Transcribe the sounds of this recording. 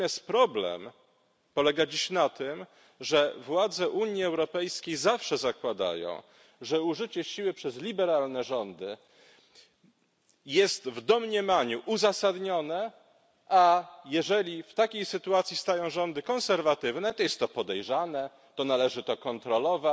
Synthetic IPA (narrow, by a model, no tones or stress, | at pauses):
ast̪pɾɔblɛ̰m | pɔlɛɡad͡ʑiɕnat̪ɘm | ʐɛvwad̪zɛʔuɲjiɛwɾɔpɛjskʲejzafʂɛzakwad̪a̰jɔ̰̃w̃ | ʐɛuʐɘt͡ɕɛɕiwɘpʂɛzlʲibɛɾalnɛʐɔnd̪ɘ | jɛst̪vd̪ɔmɲɛmaɲuʔuzasad̪ɲɔnɛ | ʔajɛʐɛlʲift̪akʲejsɘt̪uat̪sʲist̪ajɔ̃w̃ʐɔnd̪ɘkɔ̃ñsɛɾvat̪ɘvnɛt̪ɔjɛst̪ːɔpɔd̪ɛjʐanɛ | t̪ɔnalɛʐɘt̪ɔkɔnt̪ɾɔlɔva